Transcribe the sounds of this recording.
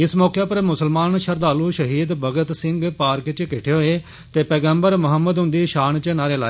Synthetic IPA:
ɪsmɔːkeːpəɾmʊsəlmaːnʃəɾd̪aːluːʃəɦiːd̪bəɡət̪sɪ̃ŋɡpaːɾkt͡ʃkɪʈʰeːɦoːeː | t̪eːpɛːɡəmbəɾmʊɦəmːəd̪ɦʊ̃nd̪iːʃaːnt͡ʃənaːɾeːla̰ːeː

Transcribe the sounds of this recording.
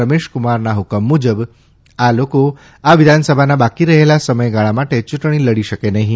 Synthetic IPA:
əmeʃkumaɾnaɦukəmːud͡ʒəb | aloko | aʋid̪ʱansəbʱanabakiɾəɦelasəməjɡaɭamaʈet͡ʃuʈɳ̃iləɽiʃəkenəɦĩ

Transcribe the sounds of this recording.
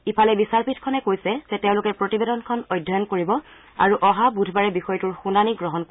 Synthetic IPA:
ipʰalɛbisaɹpʰitʰkʰɔnɛkojsɛzɛteʊ̃lʊkɛpɹotibedɔnkʰɔnɔjdʱːɔjɔnkoɹibɔ | a̰ɹuʔɔɦabudʱbaɹɛbixɔjɔtuɹxunaniɡɹɔɦɔnk

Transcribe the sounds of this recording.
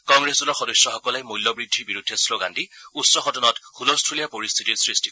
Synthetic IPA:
kɔŋɡɹesdulɔɹxɔdɔjsːɔxɔkɔlɛjmujlːɔbɹidʱːiɹbiɹudʱːɛsloɡandiutsɔxɔtɔnɔtxulɔstʰulijapoɹist̪ʰitiɹsɹisti̥k

